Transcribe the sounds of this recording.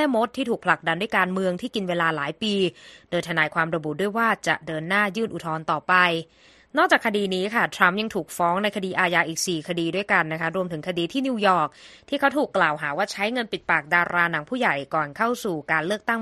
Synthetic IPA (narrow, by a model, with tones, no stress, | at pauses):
ɛː˥˩mo˦˥t̪ʰːiː˥˩t̪ʰuː˨˩k̚pʰla˨˩k̚da˧nduː˥˩jkaː˧nmɯ˧əŋt̪ʰiː˥˩ki˧nweː˧laː˧laː˩˦jpiː˧doː˧jt̪ʰa˧naː˧jkʰwaː˧mɾa˧bu˨˩du˥˩əjwaː˥˩t͡ɕa̰˨˩ʔdɤː˧nːaː˥˩jɯː˥˩nʔu˨˩t̪ʰɔː˧nt̪ɔː˨˩pa˧j | nɔ˥˩k̚t͡ɕaː˨˩kʰa˧diː˧niː˦˥kʰa˥˩t̪ʰɾa˦˥mja˧ŋt̪ʰuː˨˩k̚fɔː˦˥ŋna˧jkʰa˧diː˧ʔaː˧jaː˧ʔiː˨˩k̚siː˨˩kʰa˧diː˧du˥˩əjka˧nːa˦˥kʰa˦˥ɾu˧əmt̪ʰɯ˩˦ŋkʰa˧diː˧t̪ʰiː˥˩niː˧jɔː˨˩k̚t̪ʰiː˥˩kʰa˦˥wt̪ʰuː˨˩kːlaː˨˩wɦaː˩˦waː˥˩t͡ɕʰa˦˥jŋɤ˧npi˨˩t̪̚paː˨˩k̚daː˧ɾʔaː˧na˩˦ŋpʰuː˥˩ja˨˩jkɔː˨˩nkʰa˥˩wsuː˨˩kaː˧nlɯ˥˩ək̚t̪a˥˩ŋ